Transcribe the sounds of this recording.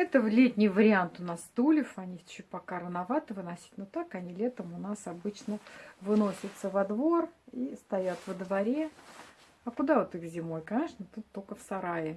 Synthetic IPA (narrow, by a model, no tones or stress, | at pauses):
ɛt̪əvlʲetʲnʲɪjvəɾʲɪant̪ʊnast̪ulʲɪfɐnʲit͡ɕupɐkaɾənɐvat̪ɨvɨnɐsʲi̥t̪ʲnot̪akɐnʲilʲe̞t̪əmʊnasɐbɨt͡ɕnəvɨno̞sʲɪt̪səvɐd̪vo̞rist̪ɐjat̪vəd̪vɐɾʲe | ɐkʊd̪avot̪ɨxzʲɪmo̞jkɐnʲe̞ʂnət̪ut̪ːokəfsɐɾajɪ